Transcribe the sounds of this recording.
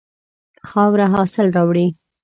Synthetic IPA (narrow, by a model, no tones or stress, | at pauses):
xɑwɾaɦɑsɪlɾɑwɽi